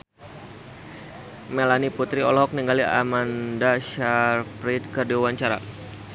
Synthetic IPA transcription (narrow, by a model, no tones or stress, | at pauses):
melaniput̪ɾiɔlɔɦɔk̚niŋɡalia̰mandaʃarfɾit̪̚kərdiwawaɲt͡ʃaɾa̰